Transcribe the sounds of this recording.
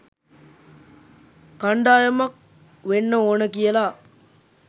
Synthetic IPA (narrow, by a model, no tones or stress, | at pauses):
kɐɳɖaːjɐmɐk̚ | ʋenːəoːnəkijəlaː